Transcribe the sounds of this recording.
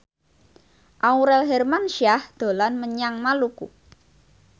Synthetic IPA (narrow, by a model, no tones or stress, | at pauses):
ʔauɾɛlɦɛrmanʃiahd̪̥o̤lanməɲaŋmalukṵ